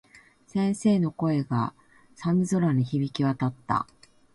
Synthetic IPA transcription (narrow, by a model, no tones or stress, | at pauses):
sẽ̞ɰ̃se̞ːno̞ko̞e̞ɡa | sãnzo̞ɾaɲ̟içibʲikʲiβat̪at̪ːa̰